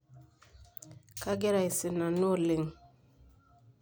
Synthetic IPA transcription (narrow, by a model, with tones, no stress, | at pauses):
ka˦ɡe˦ɾa˨jse˨na˨no˦˨le˨ŋ